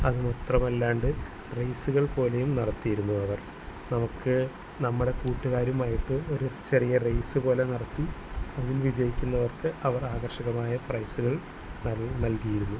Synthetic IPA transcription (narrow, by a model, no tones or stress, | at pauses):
ɐðɨmɐt̪rɐmɐlːaːɳɖɨ | rejsuɣɐɭpo̞ːle̞jumnɐɽɐt̪ːijiɾunːuɐʋɐr | nɐmukːɨ | nɐmːuɽe̞kuːʈːuɣaːɾjumaːjiʈːɨo̞ɾut͡ɕe̞rijɐrejsɨpo̞ːle̞nɐɽɐt̪ːiɐðilʋid͡ʑɐjikʲːunːɐʋɐrkɨʔɐʋɐraːɣɐrɕɐɣɐmaːjɐprɐjsuɣɐɭ | nɐnɐlkijiɾunːu